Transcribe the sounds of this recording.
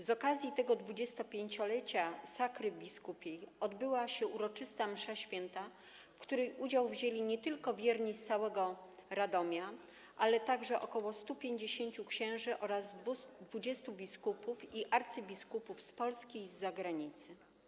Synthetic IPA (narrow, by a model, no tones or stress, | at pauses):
zɔkazʲjit̪ɛɡɔd̪vud͡ʑɛst̪ɔpʲjeɲt͡ɕɔlɛt͡ɕasakɾɘbʲiskupʲjejɔd̪bɘwaɕɛuɾɔt͡ʂɘst̪amʂaɕfʲjɛnt̪a | fkt̪uɾɛjʔud͡ʑawvʑelʲiɲɛt̪ɘlkɔvʲjɛɾɲist̪sawɛɡɔɾad̪ɔmʲja | ʔalɛt̪aɡʐɛʔɔkɔwɔst̪upʲjeɲd͡ʑeɕeɲt͡ɕukɕɛ̃w̃ʐɘʔɔɾazd̪vud͡ʑɛst̪ubʲiskupufiʔaɾt̪sɘbʲiskupufspɔlskʲejzːaɡɾaɲit̪sɘ